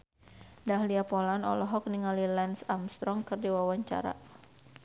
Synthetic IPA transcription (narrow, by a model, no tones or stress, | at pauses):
dahliapɔlanɔ̰lɔɦɔk̚niŋalilɛnsamst̪ɾɔŋkɨrdiwawaɲt͡ʃa̰ɾa̰